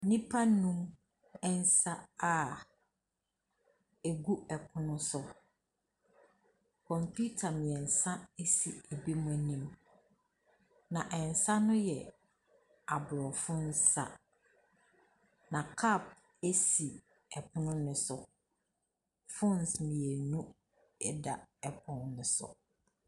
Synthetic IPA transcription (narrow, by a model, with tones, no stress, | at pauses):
nĩ˦pʰa˦nũ˦m | ɛ˦n̩˦sa˦a˦˨ | e˨ɡu˦ɛ˨kʰʊ˦nʊ̃˦sʊ˨ | kʰɔ̃˨mpʰu˦tʰa˨mɪ̃˨ɛ˨n̩˨sã˦e˦si˨e˨bi˦mʊ̃˨æ˨nĩ˦m | nã˨ʔɛ˨n̩˨sã˦nʊ̃˦jɛ˨ | a˨bʊ˨ɾɔ˨fʊ̃˦n̩˦sa̰˨ | nã˨kʰa˦˨p̚ | e˦si˨ | ɛ˨pʰʊ˦nʊ̃˦nɪ̃˨sʊ˨ | fʊ̃˦n˨smĩ˨e˨nũ˦ | ɛ˦da˨ɛ˨pʰʊ̃˦n˦nʊ̃˨sʊ̰˨